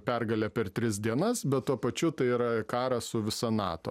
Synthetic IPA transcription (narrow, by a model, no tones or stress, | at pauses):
pʲɛrɡɐlʲɛpʲɛrt̪ʲɾʲɪs̬d̪ʲiɛnɐsbʲɛt̪t̪uɔpɐt͡ʃʲʊt̪ɐɪiːɾɐkɑːɾɐsʊʋʲɪsɐnɑ̰ːt̪o̰ː